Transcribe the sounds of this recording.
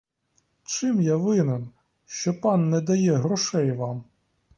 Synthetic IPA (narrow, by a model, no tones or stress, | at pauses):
t͡ʃɪmjaʋɪnen | ʃt͡ʃɔpɑnːɛd̪ɐjɛɦɾɔʃɛjʋɑm